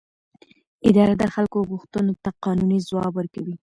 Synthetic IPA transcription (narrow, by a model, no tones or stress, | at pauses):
ɪd̪ɑɾad̪əxalkoɣuxt̪ənot̪aqɑnunizwɑbəɾkawi